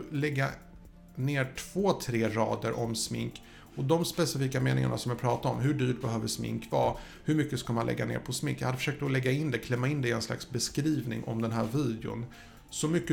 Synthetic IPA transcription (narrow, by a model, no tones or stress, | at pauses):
lɛɡːa | neːʈʰv̥oːt̪ʰɾeːɾɑ̰ːd̪əɾʔɔmsmɪ̰ŋk | ɔd̪ɔmspɛsɪfiːkameːnɪ̰ŋa̰ɳa̰sɔmjɛpʰɾɑːt̪aɔmɦɵɖyːʈbɛhœːvdəsmɪ̰ŋkvɑː | hɵɾmʏkːəskamanlɛ̰ɡːa̰nḛːɾpʰɔsmɪŋkːjahad̪ːəfœ̥ʂøːk̚t̪ɔlɛɡːaɪnd̪ɛkʰlɛmːaɪnd̪ɛɪɛnsla̰ksbɛskɾiːvnɪ̰ŋʔɔ̰md̪ɛnɦæːɾviːd̪ɛʊ̰n | sɔmʏkːə